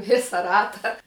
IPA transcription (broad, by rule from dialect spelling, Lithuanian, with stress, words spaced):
ˈʋʲɪsɐ ˈrɑːtɐ